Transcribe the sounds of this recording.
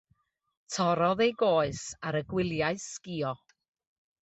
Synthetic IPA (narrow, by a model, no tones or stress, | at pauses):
tʰɔɾɔðejɡoːɨsaɾəɡwɪlˠjaɨskiɔ